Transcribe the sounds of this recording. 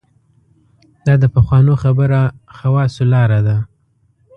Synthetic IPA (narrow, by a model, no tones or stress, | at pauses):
d̪̥ɑd̪əpaxwɑnoxabəɾaxawɑsolɑɾad̪a